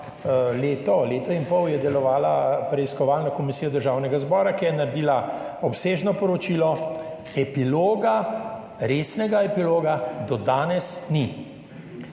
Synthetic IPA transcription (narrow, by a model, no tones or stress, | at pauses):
leːt̪ɔleːt̪ɔinpɔwjɛd̪ɛlɔʋaːlapɾɛiskɔʋaːlnɔkɔmisiːjɔd̪əɾʒawnɛɡazbɔːɾakijɛnaɾed̪iːla | ɔpseːʒnɔpɔɾɔt͡ʃiːlɔ | ɛpiloːɡa | ɾeːsnɛɡaɛpiloːɡad̪ɔd̪aːnɛsni